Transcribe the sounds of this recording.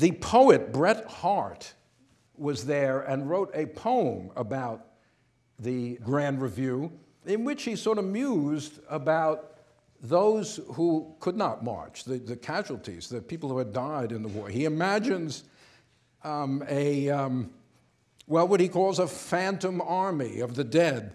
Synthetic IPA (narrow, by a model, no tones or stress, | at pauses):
ðɨpʰoʊɨt̚b̥ɹɛt̚hɑɹt̚ | wʌzðə˞ɨ̃nɹoʊɾɨpʰõʊə̃məbaʊt̪̚ | ðɨɡɹæ̃ndɹɨvjʉ | ɪ̃nwɨt͡ʃhisɔɹɾʌmjuzdəbaʊt̪̚ | ðoʊz̥hukʰɨdⁿnət̚mɑ̰ɹt͡ʃðɨðɨkʰæʒl̩ˠtʰḭzðɨpʰipl̩ˠhuɨdaɪɾɨ̃nðəwɔ̰ɹiɨmæd͡ʒɨ̃nz | ɨ | wɛlˠwʌɾ̚ikʰɔlˠzəfæ̃ntə̃mɑɹmḭʌvðɨdɛd̚